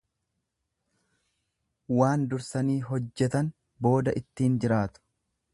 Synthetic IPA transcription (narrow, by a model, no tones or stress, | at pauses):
waːnd̪ʊɾsɐniːɦɔd͡ʒːɛt̪ɐn | bo̞ːd̪ɐʔɪt̪ːiːnd͡ʒɪɾaːt̪ʊ̥